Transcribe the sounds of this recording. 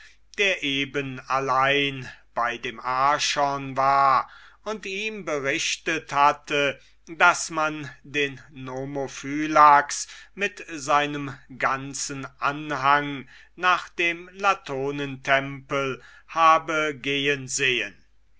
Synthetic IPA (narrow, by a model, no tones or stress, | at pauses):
d̥eːɐʔeːbənalaɪnb̥aɪdeːmʔaɐʃɔnvaːɐʊntiːmbəʁɪʃtəthatə | dasmandeːnːomofyːlaksmɪtzaɪnəmɡant͡sənʔanhaŋ | naːχd̥eːmlatʰoːnəntʰɛmpəl | haːbəɡeːənzeːə̰n